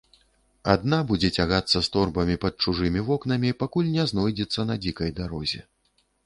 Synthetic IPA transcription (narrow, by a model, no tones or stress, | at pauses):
ad̪nabud͡zʲɛt͡sʲaɣat̪sːɐst̪ɔrbɐmʲipɐt̪̚t͡ʂuʐɨmʲivɔknɐmʲipakulʲnʲɛznɔjd͡zʲɛt̪sːɐnɐd͡zʲikɐjd̪aɾɔzʲɛ